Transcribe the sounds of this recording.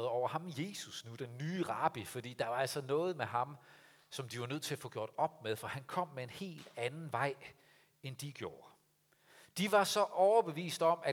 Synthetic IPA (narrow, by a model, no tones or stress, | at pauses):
ð̩ˠɒʊ̰ɐhɑ̈mje̝susnud̥enːyːʁɑ̈b̥ifɒ̽d̥ḭːd̥ɑ̈ʋɑ̈æl̰sɒnɔ̽ːð̞̩ˠmeɦɑ̈m | sɒ̽md̥iʋɑ̈nøð̰ˠt͡sʰe̝læfɔ̽ɡ̥jo̝ɐ̰d̥ɒ̽b̥̚með̞ˠfɒhænkʰɒ̽m̰ːee̝nhe̝̰ːld̥ænn̩ʋɑ̈ɪ̰ | end̥iɡ̥jo̝ːɐ | d̥iʋɑ̈sɒ̽ʔɒʊɐb̥e̝ʋḭːsd̥ɒ̽mæ